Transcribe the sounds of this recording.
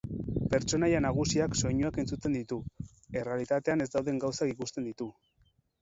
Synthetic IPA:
pe̞ɾt͡ʃo̞najanaɣ̞usiakso̞jɲuake̞nt͡sut̪e̞nd̪it̪u | e̞re̞alit̪at̪e̞ane̞zd̪awðe̞ŋɡawsakikust̪e̞nd̪it̪u

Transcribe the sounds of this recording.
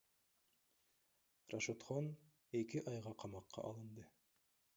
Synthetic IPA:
raʃot̪χon | e̞kiʔɑjʁɑqʰɑmɑqːɑ̰ʔɑlˠɯnd̪ɯ

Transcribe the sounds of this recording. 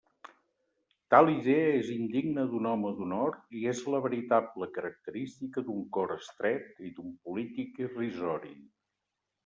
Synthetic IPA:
t̪alˠiðeəezind̪iɡnəðunɔməðunɔɾt̪iezləβəɾit̪abləkəɾək̚t̪əɾist̪ikəd̪uŋkɔɾəst̪ɾɛt̪id̪umpulit̪ikirizɔɾḭ

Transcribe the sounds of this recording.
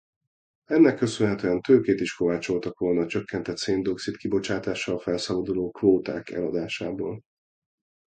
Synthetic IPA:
ɛnːɛkːø̞sønɦɛt̪øːɛnt̪øːkeːt̪iʃko̞vaːt͡ʃo̞lt̪ɒkʋo̞lnɒːt͡ʃø̞kːɛnt̪ɛt̪seːnd̪oksit̪kibo̞t͡ʃaːt̪aːʃɒlfɛlsɒbɒd̪uloːkvoːt̪a̰ːkɛ̰lɒd̪aːʃaːboːl

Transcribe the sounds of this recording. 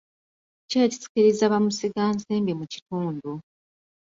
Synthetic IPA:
ceːci̥si̥kiɾizaβamusiɡaːnseːmbemuci̥tuːndu

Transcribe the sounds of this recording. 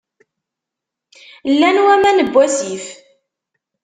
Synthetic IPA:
lːænwæmænəbːæsif

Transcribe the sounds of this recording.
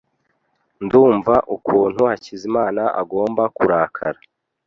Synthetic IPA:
nduːɱvaʔukuːn̥huhacizimaːnaʔa̰ɡo̞ːmbakuɾaːkʰaɾa

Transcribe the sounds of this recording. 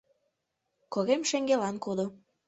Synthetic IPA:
koɣemʃeŋɡelɑnkod̪o

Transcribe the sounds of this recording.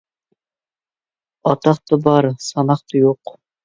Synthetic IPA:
ɑt̪ʰɑχt̪ɑbɑɾsɑnɑχt̪ɑjoq

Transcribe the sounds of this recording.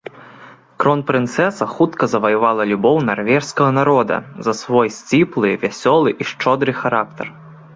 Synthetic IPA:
kɾɔnpɾɨnt̪sɛsɐxut̪kɐzɐvɐjuvalˠɐlʲubɔwnarvʲɛʂskɐɣɐnaɾɔd̪ɐ̰zɐsvɔjsʲt͡sʲiplˠɨvʲasʲɔlˠɨʔiʂt͡ʂɔd̪ɾɨxaɾak̚t̪ɐ̰r

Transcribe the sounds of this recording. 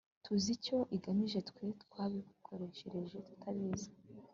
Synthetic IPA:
tʰuzico̞ʔiɡamiʒe̞tkʷwe̞tkwaːβiekukʰo̞ɾe̞ʃeɾe̞ʒe̞tu̥tʰaβiːzḁ

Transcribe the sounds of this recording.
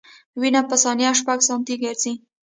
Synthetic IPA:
winapəsɑnjaʃpaɡsɑnt̪iɡəɾzi

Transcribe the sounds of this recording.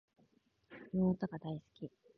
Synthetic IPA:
noːt̪oɡad̪aisɨ̥kʲi

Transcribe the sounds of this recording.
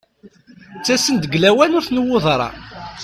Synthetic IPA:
t͡sːæsənd̪əɡlæwænʊɾθnəwːoðˤɾˤɑ̰

